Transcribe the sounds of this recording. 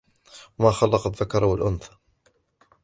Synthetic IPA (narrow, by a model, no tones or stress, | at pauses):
wamaːxɑlːɑqɑðːakɑɾˤɑwalʔʊnθḁ